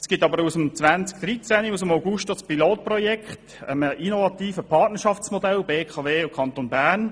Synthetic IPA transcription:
sɡ̥ɪtɑbəɾusəmt͡sʋænt͡sk̚d̪̥ɾit͡sænius̬əmaʊɡuʃtɔspiloːt̚prɔjɛkχt | əməʔinovɑt̪iːfəpʰɑːtnəʃɑft͡smɔdɛlbeːkʰɑveːkʰɑntonbæːɾn

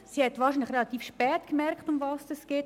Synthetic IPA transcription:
siːhɛtvɑːɾʃinlɪχrelɑt̪iːfʃpɛːtkəmɛɾktʊmvɑːsd̥ɛsɡ̥eːt

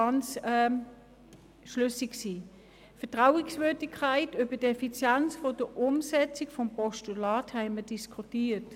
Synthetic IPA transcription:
ɑnt͡sɛ | ʃlʏsɪksiː | fəɐtʁaʊɪksvøːɐdɪkʰːaɪtybədɛfit͡sjɛnt͡sfod̥əʔʊmsɛt͡sɪkfɔmpɔʃtulɑːthɛɪmədiskʰutiːt

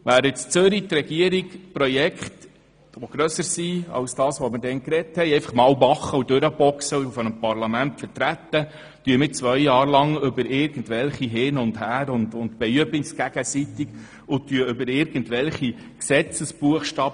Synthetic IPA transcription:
ʋæːɾɪt͡st͡søɾitɾɛɡiəɾikpɾɔjɛkχt | ʋoɡ̥ɾœsəɾsiɑ̰wsd̥ɑːsʋɔmɪɾdɛnkɾɛthɛjɛjfɑχmɑːlvɑχːəudɵɾəbɔksəuufɔnəmpɑɾlɑmæntfəɾtɾætːə | tyəmɪt͡svʋœjjɑːɾlɑŋʏbəɾɪːɾɡ̥ən̩tʋɛlχiɦɪnʊndhæːɾʊndʊndbɛyəbɪsɡ̥æɡ̥əsit̪ɪɡ | ʊtyəʏbəɾɪɾɡ̥ən̩tʋɛlχi | ksɛt͡səsb̥uəχʃtɑːb

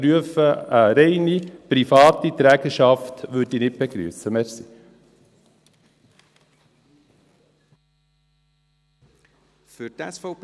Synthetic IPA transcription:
ɾyəfəɾeɪnipɾifɑːt̪it̪ɾæːɡ̥əʃɑft̪ʋʉdinɪt̚b̥ɛɡ̥ɾy̰ːsəmɛɾsi | fødæsfɔp

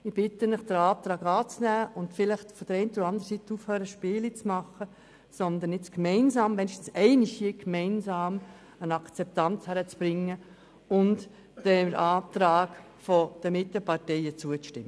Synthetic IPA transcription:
ɪb̥ɪt̪ənɪχd̥əɾɑːt̪ɾɑːɡɑːt͡snæːʊntfɪlɪχtfɔd̥əɾɛɪntoɑnd̪əɾəsit̪ːəufhœːɾəʃpɪːlit͡smɑχə | sɔnd̪ənɪt͡skmɛɪnzɑːmmɛniʃtn̩sɛɪnɪʃjikmɛɪnsɑːm | ənɑkt͡sɛp̚tɑnt͡shæɾət͡sb̥ɾɪŋːə | ʊnt | d̥ɛʔɑːt̪ɾɑːɡ | fɔd̥əmɪt̪ːəpɑɾtɛɪət͡suət͡sʃtɪmːə

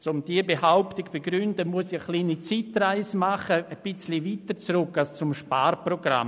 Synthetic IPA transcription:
t͡sʊmd̥iəbehaʊptiɡb̥eɡɾyndəmuəsiəχliːnit͡sitraɪsmaχəəb̥ɪt͡sliviːtəɾt͡srʊkalst͡sʊmʃpaːrproɡɾa̰m

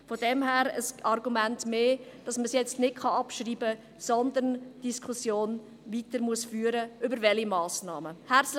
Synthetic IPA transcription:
fodɛmɦæːɾəsɑrɡumæntmeːd̥ɑsməsjɛt͡stnɪd̥̚χɑɑpʃriːbə | sɔnd̪əɾnd̥iskʰusjoːn | viːtəɾmuəsfyːəɾəʔʏbəɾvɛlimɑːsnɑːməhæs

